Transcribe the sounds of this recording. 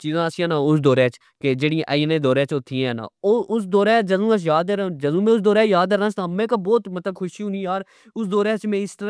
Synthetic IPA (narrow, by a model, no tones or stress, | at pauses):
t͡ʃiːzãːəsĩãːnãːʊsd̪oːɾẽːt͡ʃ | ked͡ʒeːɽĩʔəinẽːd̪oːɾẽːt͡ʃʊt̪ʰːiːɛ̃ːnã̰ːoːʊsd̪oːɾɛːd͡ʒəzũːət͡ʃjaːd̪eɾad͡ʒəzũːmẽːʊs̬d̪oːɾɛːjaːd̪eːɾãːsaːmẽːkabɔːt̪mət̪ləb̚kʰʊʃiʊ̃niːaːɾ | ʊsd̪oːɾɛ̃ːt͡ʃmẽːɪst̪əɾ